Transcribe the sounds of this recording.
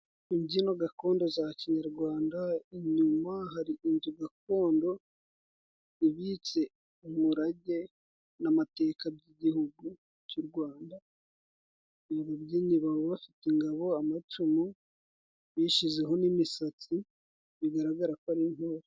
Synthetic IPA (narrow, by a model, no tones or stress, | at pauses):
iɲɟinoɡako̞ːndo̞zaciɲaɾɡwaːndaiɲumaɦaɾiinzuɡak̚o̞ːndo̞ | iβit͡se̞ | umuɾaɟe̞ | namate̞ːkabɟiɟihuɡu | cuɾɡwaːnda | naβobjiːɲiβaβoβafitiŋɡaβo̞amat͡ʃumu | βiʃize̞ɦo̞nimisat͡si | βiɡaɾaɡaɾakoaɾiŋhoɾo